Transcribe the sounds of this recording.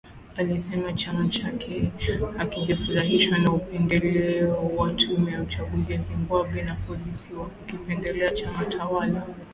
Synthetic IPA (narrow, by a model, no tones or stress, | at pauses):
alisɛmat͡ʃamat͡ʃakʰɛakiʄafuɾaɦiʃwanaupɛndɛlɛɔwatʰumɛjaut͡ʃaɠuzijazimbaɓwɛnapɔlisiwakukipɛndɛlɛat͡ʃamatʰawala